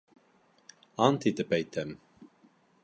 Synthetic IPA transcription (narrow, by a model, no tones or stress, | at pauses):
ɑnt̪ʰit̪əpɛjt̪ʰɛm